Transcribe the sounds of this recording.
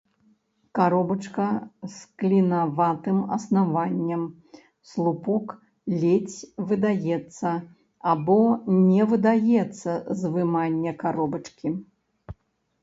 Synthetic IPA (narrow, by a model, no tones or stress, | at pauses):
kaɾɔbɐt͡ʂkɐsklʲinavat̪ɨmɐ̰snavanʲːɛm | slˠupɔk | lʲet͡sʲvɨd̪ajɛt̪sːɐ | abɔnʲɛvɨd̪ajɛt̪sːɐzvɨmanʲːɛkaɾɔbɐt͡ʂkʲi